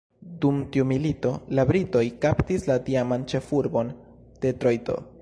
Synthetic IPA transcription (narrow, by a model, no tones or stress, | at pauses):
dumtiumilito̞labɾito̞jkaptislatiamant͡ʃe̞fuɾbo̞n | d̥e̞t̪ɾojto̞̰